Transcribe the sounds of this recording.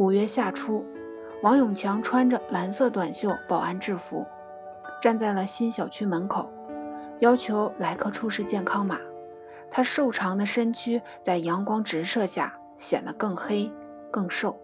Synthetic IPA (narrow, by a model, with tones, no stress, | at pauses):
u˨˩ɥɛ˥ɕja˥˩ʈ͡ʂʰu˥ | wɑ˧˥ŋjʊ˨˩ŋt͡ɕʰjɑ˧˥ŋʈ͡ʂʰwa˥nʈ͡ʂə˨la˧˥nsɤ˥˧t̪wa˨˩nɕjo˥˩ʊpɑ˨˩ʊa˥˧nʈ͡ʂɻ̩˥˩fṵ˧˥ | ʈ͡ʂa˥˧nt͡sa˥˩ɪlə˩ɕi˥nɕjɑ˨˩ʊt͡ɕʰy˥mə˧˥nkʰo˨˩˦ʊjɑ˥ʊt͡ɕʰjo˧˥ʊla˧˥ɪkʰɤ˥˩ʈ͡ʂʰu˥ʂɻ̩˥˧t͡ɕjɛ˥˩nkʰɑ˥ŋma˨˩˦ | t̪ʰa˥ʂo˥˩ʊʈ͡ʂʰɑ˧˥ŋd̪ə˧ʂə˥nt͡ɕʰy˥ | t͡sa˥˩ɪjɑ˧˥ŋkwɑ˥ŋʈ͡ʂɻ̩˧˥ʂɤ˥˧ɕja̰˥˩ | ɕjɛ̰˨˩nd̪ə˦kɤ˥˩ŋxe˥ɪ | kɤ˥˧ŋʂo˥˩ʊ